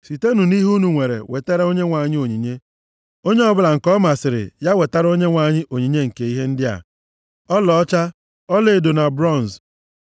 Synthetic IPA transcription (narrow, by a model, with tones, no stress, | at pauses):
si˨te˦nu˨ni˦ɦu˦nu˨ŋʷe˨ɾḛ˨we˨te˦ɾo˦ɲe˦ŋʷa˨ɲɪ˦o˨ɲi˨ɲe˦ | o˦ɲe˦ɔ˦bʊ˦la˨ŋ̩˨kɔ˦ma˨sɪ˨ɾɪ̰˨ja˦we˨ta˦ɾo˦ɲe˦ŋʷa˨ɲɪ˦ʔo˨ɲi˨ɲe˦ŋ̩˨ke˨i˦ɦe˦n̩˦dɪ˦a̰˨ | ɔ˦lɔ˨ɔ˦t͡ʃa˦ | ɔ˦le˨do˨na˨bɾɔ˦˨n˨z